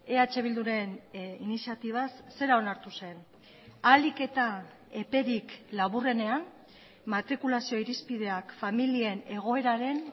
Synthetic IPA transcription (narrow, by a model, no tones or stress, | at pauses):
e̞at͡ʃe̞β̞ild̪uɾe̞ninisiat̪iβ̞asːe̞ɾao̞naɾt̪use̞n | alike̞t̪a | e̞pe̞ɾiklaβure̞ne̞an | mat̪ɾikulasio̞iɾispiðe̞akfamilie̞ne̞ɣ̞o̞e̞ɾaɾe̞n